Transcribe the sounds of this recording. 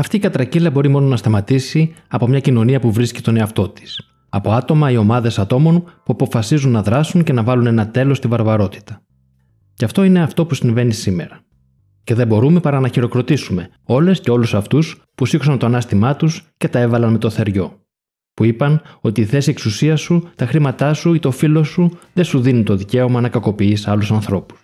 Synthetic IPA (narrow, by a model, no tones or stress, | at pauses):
ɐft̪iːkɐt̪ɾɐcilɐbo̞ɾimo̞no̞nɐst̪ɐmɐt̪isiɐpo̞mɲɐcino̞niɐpuvɾisci̥st̪o̞ne̞ɐft̪o̞t̪i̥s | ɐpo̞ɐt̪o̞mɐio̞mɐðe̞sɐt̪o̞mo̞npuɐpo̞fɐsizunːɐðɾɐsuɲce̞nɐvɐlune̞nɐt̪e̞lo̞st̪ivɐɾvɐɾo̞t̪i̥t̪ɐ | ceɐft̪o̞ine̞ɐft̪o̞pusiɱve̞nisime̞̰ɾɐ | ce̞ðebo̞ɾume̞pɐɾɐnɐçiɾo̞kɾo̞t̪isume̞ | o̞le̞sce̞o̞lusɐft̪us | pusikosɐnt̪oɐnɐst̪imɐt̪usce̞t̪ɐe̞vɐlɐnme̞t̪o̞θe̞ɾʝo̞̰ | puipɐno̞t̪iːθe̞sie̞ksusiɐsut̪ɐxɾimɐt̪ɐsuit̪o̞filo̞suðe̞suðinunt̪o̞ðice̞o̞mɐnɐkɐko̞piisɐlusɐnθɾo̞pu̥s